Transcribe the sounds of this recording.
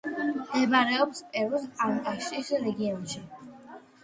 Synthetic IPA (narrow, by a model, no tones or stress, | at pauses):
md̪ɛbaɾɛɔpspʼɛɾusank̪ʼaʃisɾɛɡiɔnʃi